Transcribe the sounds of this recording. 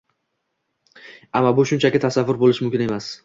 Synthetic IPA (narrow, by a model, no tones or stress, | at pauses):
amːabʊʃʊnt͡ʃʰakʲɪt̪ʰasavːʊɾbolɪʃmʊmkʲɪne̞mas